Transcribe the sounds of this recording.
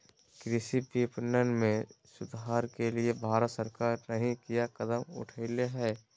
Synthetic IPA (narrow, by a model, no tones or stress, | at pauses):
kɾɪʃipiːpnənmẽsʊd̪ɦaːɾkeliebʱaːɾət̪səɾkaːɾnəɦĩkijakəd̪əmʊ̰ʈʰəɪleɦɛː